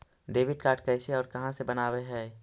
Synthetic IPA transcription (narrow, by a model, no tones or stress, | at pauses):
ɖeːʋɪɖkaːɾʈkɛːseɔːɾkɐɦãsebɐnaːweɦɛː